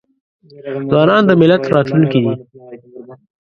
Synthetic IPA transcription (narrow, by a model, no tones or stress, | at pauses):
zwɑnɑnd̪əmɪlat̪ɾɑt̪lunkid̪i